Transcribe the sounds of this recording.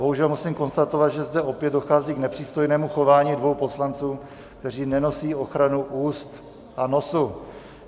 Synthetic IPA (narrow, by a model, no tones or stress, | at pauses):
boɦuʒɛlmusiːmko̞nst̪at̪o̞vat̪ʒɛzd̪ɛʔo̞pjɛd̪do̞xaːziːɡnɛpr̥iːst̪o̞jnɛːmuxo̞vaːɲiːdvo̞wpo̞slant͡suː | kt̪ɛr̝iːnɛno̞siːo̞xɾanuʔuːst̪ | ʔano̞su